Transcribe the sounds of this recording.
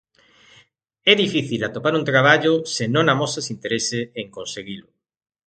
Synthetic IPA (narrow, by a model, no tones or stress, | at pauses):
ɛðifiθilat̪opaɾunt̪ɾaβ̞aʎʊsenõŋamosasint̪eɾeseeŋkõnseɣilʊ